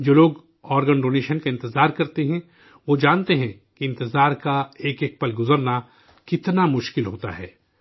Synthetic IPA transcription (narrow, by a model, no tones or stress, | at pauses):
d͡ʒoːloːɡ | ɔːɾɡənɖoːneːʃənkaɪ̃nt̪ɪzaːɾkɐɾt̪eɦɛ̃ | ʋod͡ʒaːnt̪eɦɛ̃ | kiɪ̃nt̪ɪzaːɾkaeːkeːk̚pɐlɡʊzəɾna | kɪt̪namʊʃkɪlɦoːt̪a̰ɦɛː